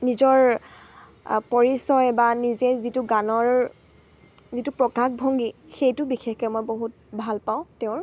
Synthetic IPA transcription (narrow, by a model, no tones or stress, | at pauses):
nizɔɹ | pɔɹisɔjbanizɛzituɡanɔɹ | zitupɹɔkakbʱɔŋɡixejtʊbixexkɔjmɔjboɦut̚ | bʱalpaʊ̃tɛʊ̃ɹ